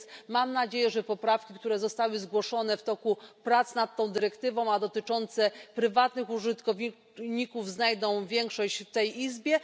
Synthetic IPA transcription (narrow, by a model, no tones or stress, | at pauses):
mamnad͡ʑejɛʐɛpɔpɾafkʲikt̪uɾɛzɔst̪awɘzɡwɔʂɔnɛft̪ɔkupɾat̪snat̪ːɔ̃w̃d̪ɘɾɛkt̪ɘvɔ̃w̃ad̪ɔt̪ɘt͡ʂɔnt̪sɛpɾɘvat̪nɘxuʐɘt̪kɔv | ɲikuvznajd̪ɔ̃w̃vʲjɛŋkʂɔɕt͡ɕft̪ɛjizbʲjɛ